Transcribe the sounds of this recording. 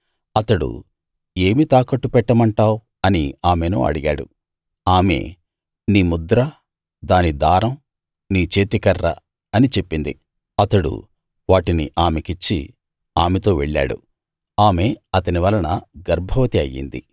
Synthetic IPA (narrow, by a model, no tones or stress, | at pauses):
ɐt̪ɐɽṵ | eːmit̪aːkɐʈːupɛʈːɐmɐɳʈaːw | ɐniaːmeno̰ːɐ̰ɽiɡa̰ːɽṵ | aːme̞̰ː | niːmud̪ɾɐ | d̪aːnid̪aːɾɐm | niːt͡ʃe̞ːt̪ikɐɾːɐ̰ | ɐnit͡ʃe̞pːind̪ḭ | ɐt̪ɐɽṵ | ʋaːʈiniʔaːmekit͡ʃːḭ | aːmet̪o̞ːʋeɭːa̰ːɽṵ | aːme̞ɐt̪ɐniʋɐlɐnɐɡɐɾbʱɐʋɐt̪iɐjːḭnd̪ḭ